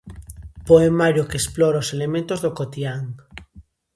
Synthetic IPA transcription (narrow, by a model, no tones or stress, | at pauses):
poemaɾjokesploɾaoselemẽnt̪ozðokot̪iaŋ